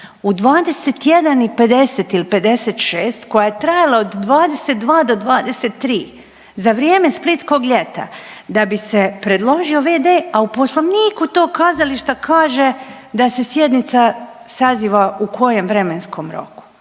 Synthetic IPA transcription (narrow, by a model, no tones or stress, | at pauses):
ud̪ʋaːd̪e̞set̪jed̪anipe̞d̪e̞set̪ilipe̞d̪e̞set̪ʃeːst̪ko̞jajet̪ɾajalˠaod̪ːʋaːd̪eset̪̚d̪ʋaːd̪o̞d̪ʋaːd̪e̞set̪ːɾiː | zaʋɾjeːme̞split̪sko̞ɡʎʲe̞t̪a̰ | d̪abise̞pɾe̞d̪lˠo̞ʒio̞ʋeːd̪eːaupo̞slˠo̞ʋniːkut̪o̞ːkazaliʃt̪akʰaːʒe̞ | d̪ase̞sjed̪nit̪sa | saziːʋaukʰo̞je̞mʋɾemenskʰo̞mɾo̰ku̥